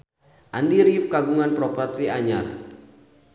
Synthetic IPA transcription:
ʔandiɾifkaɡuŋanpɾɔpɔrt̪iaɲa̰r

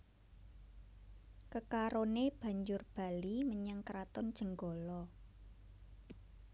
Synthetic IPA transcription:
kəkaɾoneb̥a̤ɲd͡ʒʊrb̥a̤liməɲaŋkɾat̪ɔnd̥ʒ̥ə̤ŋɡɔlɔ

